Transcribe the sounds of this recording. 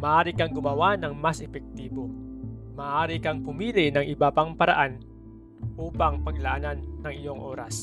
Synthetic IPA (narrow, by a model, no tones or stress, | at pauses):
mɐaʔaːɾɪkɐŋɡʊmɐwanɐŋmasʔɛpɛk̚t̪iːbo̞mɐaʔaːɾɪkɐŋpʊmiːlɪnɐŋʔɪbapɐŋpɐɾɐ̰ʔan | ʔuːpɐŋpɐɡ̚lɐʔananːɐŋɪjo̞ŋʔo̞ːɾa̰s